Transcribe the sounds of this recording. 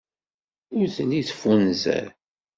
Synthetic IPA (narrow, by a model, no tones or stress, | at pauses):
ʊɾθəliθfunzæ̰ɾ